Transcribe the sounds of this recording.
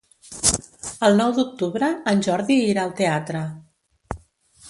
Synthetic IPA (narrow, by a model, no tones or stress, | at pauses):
əlˠnɔwd̪uk̚t̪uβɾəənʲʒɔɾðiiɾaːlˠt̪eat̪ɾə